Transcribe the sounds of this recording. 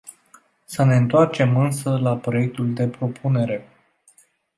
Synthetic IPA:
səne̞ɨnt̪oart͡ʃe̞mɨnsəlapɾo̞je̞k̚t̪uld̪e̞pɾo̞pʰune̞ɾe̞

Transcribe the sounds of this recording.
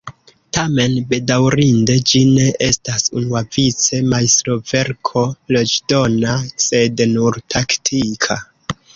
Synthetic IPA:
tame̞nbe̞dawɾinde̞d͡ʒine̞ʔe̞stasunuavit͡se̞maistɾo̞ve̞ɾkʰo̞lo̞d͡ʒdo̞nase̞dnuɾtʰaktʰikʰa

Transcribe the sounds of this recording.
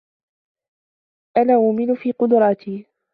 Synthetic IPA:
ʔanaːʔʊmɪnʊfiːqʊd̪ʊɾˤɑːt̪ʰiː

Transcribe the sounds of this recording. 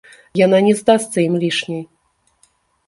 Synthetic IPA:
jananʲɛzd̪ast̪sɐimlʲiʂnʲej

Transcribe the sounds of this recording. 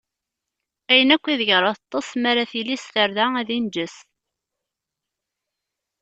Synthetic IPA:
æjənækʷːiðəʝɾˤɑθt̪ˤːɑsˤmæɾaθilisθəɾðææðind͡ʒəs

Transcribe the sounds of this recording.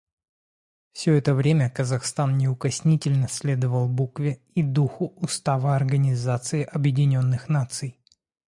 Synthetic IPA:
fsʲɵɛt̪əvɾʲemʲəkəzɐxst̪annʲɪʊkɐsʲnʲitʲɪlʲnəsʲlʲe̞d̪əvəlˠbukvʲɪ | id̪uxʊʊst̪avəɐrɡənʲɪzat̪sɨɪʔɐbjɪdʲɪnʲo̞nːɨxnat̪sɨj

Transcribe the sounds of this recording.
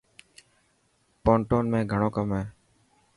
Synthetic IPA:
poːɳʈoːnmẽːɡʱəɳ̃oːkəmɦeː

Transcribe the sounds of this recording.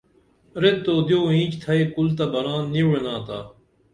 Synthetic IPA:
ɾet̪ːoːd̪joːĩːt͡ɕt̪ʰɐekult̪ɐbɐɾaːnːienãːt̪aː

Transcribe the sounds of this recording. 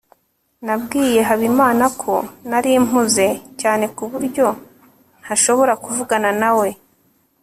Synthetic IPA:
nabɡiːje̞ɦaβimaːnakʰo̞̰naɾim̥uze̞caːne̞kuβuɾɟo̞ | n̥haʃo̞βo̞ɾakuvuɡananawe̞

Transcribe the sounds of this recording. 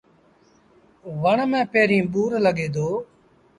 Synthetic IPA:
ʋəɳmẽːpeːɾĩːɓuːɾləɠeːd̪oː

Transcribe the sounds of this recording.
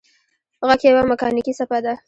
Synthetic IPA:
ɣakjawamɪkɑnikisapad̪a

